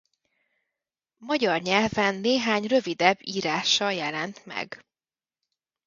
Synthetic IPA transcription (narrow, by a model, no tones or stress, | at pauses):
mɒɟɒrɲɛlvɛnːeːɦaːɲrø̞vid̪ɛbːiːɾaːʃɒjɛlɛnt̪mɛ̰ɡ